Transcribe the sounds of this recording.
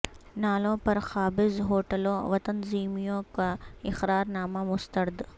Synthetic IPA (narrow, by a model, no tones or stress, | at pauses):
naːlõːpɐɾxaːbɪzɦoːʈəlõʋɐt̪ɐnziːmijõkaɪxɾaːɾnaːmamʊst̪əɾɪd̪